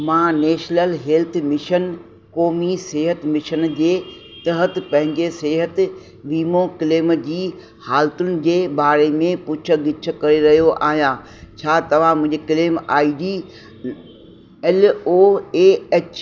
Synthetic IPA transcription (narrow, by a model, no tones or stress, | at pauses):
mãːneːʃnəlɦeːlt̪ʰmɪʃən | koːmiseːɦət̪ɪmɪʃənd͡ʑeː | t̪ɐɦət̪̆pɐ̃ɦɪ̃ɲd͡ʑeseːɦət̪ɪ | ʋiːmõkɪleːmd͡ʑiː | haːlt̪ʊnɪ̆d͡ʑeːbaːɾemẽpʊt͡ɕʰə̆ɡɪt͡ɕʰə̆kɐɾeɾɐɦijoʔa̰ːɦijãː | t͡ɕʰaːt̪ɐʋ̤ãmʊ̃ɪ̃ɲd͡ʑekɪleːmaːiɖiː | ɛloːeːeːt͡ɕ